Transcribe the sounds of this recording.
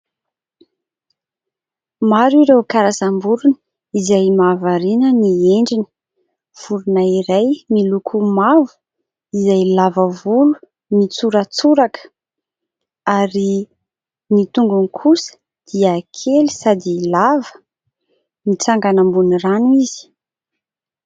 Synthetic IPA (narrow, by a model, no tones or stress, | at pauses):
maɾiɾewkaɾasambuɾuni | izajmavaɾinənieɳɖ͡ʐini̥ | fuɾunaiɾajmilukʰumavu̥ | izajlavəvulu̥ | nit͡suɾət͡suɾakə̥ | aɾi | nit̪uŋɡunikʰusə̥ | d̪̥iəkʰeli̥sad̪ilavə̥ | mit͡saŋɡanambuniranuiz̥i̥